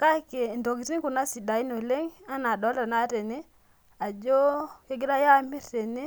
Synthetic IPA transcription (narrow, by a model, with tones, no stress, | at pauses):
ka˦ke˨ndo˨ɡi˨zi˦ŋku˨na˦si˨da˨i˦no˨le˦ŋa˦na˨dɔ˨˦la˨na˦ɾe˨ne˦ | a˨d͡ʒo˦ke˦ɡi˦ɾa˦ja˦˨mi˦ɾːe˨ne˦